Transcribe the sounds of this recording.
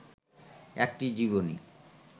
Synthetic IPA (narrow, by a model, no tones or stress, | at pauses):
ɛk̚ʈid͡ʑiβonḭ